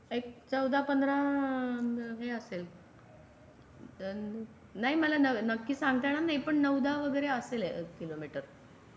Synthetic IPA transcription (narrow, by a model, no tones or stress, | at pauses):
ek̚t͡səwd̪ʱapənd̪ʱɾa | ɦeəsel | naɦiməlanənəkːiːsãŋɡt̪aɽanajpəɳnəwd̪ʱaʋəɡəjɾeəselekːilomiʈəɾ